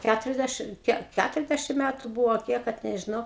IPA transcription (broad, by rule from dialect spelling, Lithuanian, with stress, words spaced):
ˈkʲætʊrʲɛzʲˌdʲæʃʲɪm ˈkʲiɛk ˈkʲætʊrʲɛzʲˌdʲæʃʲɪm ˈmʲæːtʊ ˈbʊʋoː ɐ ˈkʲiɛk kɐt nʲɛʒʲɪˈnɐʊ